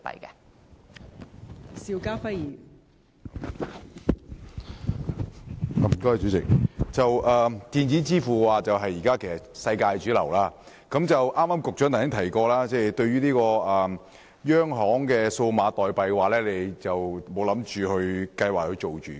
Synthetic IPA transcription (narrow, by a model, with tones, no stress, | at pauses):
pɐ̰˨jkɛ̰˧ | siː˧wkaː˥fɐ˥jiː˨˩n˨˩ | m̩˨˩kɔː˥t͡ʃyː˨˥t͡sɪ˨k̚t͡sɐ˨wʔɐː˨˧t̪iː˨˧nt͡si˨˥t͡siː˥fuː˨kɛ˧waː˨˩t͡sɐ˨wɦɐ˨jːiː˨˩kaː˥kʰe˨˩sɐ˨sɐ˧jkaː˧jt͡ʃyː˨˥lɐ̰˨˩wlaː˥ | kɐ˨˥mt͡sɐ˨wʔaː˥mːaː˥mkʊ˨k̚t͡ʃœː˨˥nt̪ʰsɪ˥ŋt̪ʰɐ˨˩jkɔː˧laː˥t͡sɛː˥˩t̪ɵ˧ɥyː˥niː˥kɔː˧ɐː˨ | jœː˥ŋɦɔː˨˥ŋkɛː˧so˧wmaː˨˧t̪ɔː˨jpɐ˨jkɛ˧waː˨˩lɛː˥le˨˧jt͡sɐ˨wmo˨˧˥wlɐ˨˥mt͡ʃyː˨˩hɵ˧ɥkɐ˧jwaː˨k̚hɵ˧t͡ʃo˨wt͡ʃyː˨˩